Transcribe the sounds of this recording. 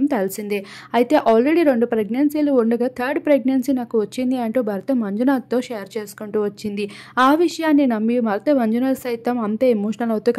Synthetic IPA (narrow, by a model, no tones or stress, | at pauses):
mt̪ɐlɐsind̪i | ɐjit̪e̞ːʔaːlɾeɽiɾe̞ɳɖupɾeɡnɐnsiluuɳɖɐɡaːt̪ʰɐːɾɖpɾeɡ̚nɐnsinaːkuʋɐt͡ʃːind̪iɐɳʈuːbʱɐɾɐt̪ɐmɐɲd͡ʒunaːt̪ːo̞ːʃejɐɾt͡ʃe̞ːsu̥kuɳʈuːʋɐt͡ʃːind̪iaːʋiʂɐjaːnːinɐmːiumɐɾɐt̪ɐmɐɲd͡ʒunaːsɐjt̪ɐmɐnt̪eːemoːʂɐnɐlɐwut̪uk